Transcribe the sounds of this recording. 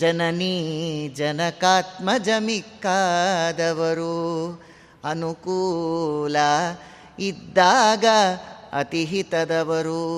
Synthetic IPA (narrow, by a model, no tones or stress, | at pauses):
d͡ʒɐnɐnid͡ʒɐnɐkaːt̪̚mɐd͡ʒɐmikːad̪ɐʋɐɾu | ɐnukuːlɐ | id̪ːaːɡɐɐ̰t̪iɦit̪ɐd̪ɐʋɐɾu